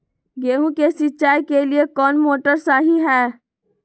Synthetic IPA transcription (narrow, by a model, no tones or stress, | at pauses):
ɡeːɦũkesɪt͡ʃaːjkeliekɔːnmoːʈəɾsaːɦiɦɛː